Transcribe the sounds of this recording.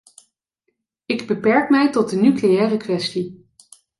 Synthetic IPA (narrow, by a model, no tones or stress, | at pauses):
ɪɡbəpɛɹkmɛjtɔd̚dənyklejɛːrəkʋɛsti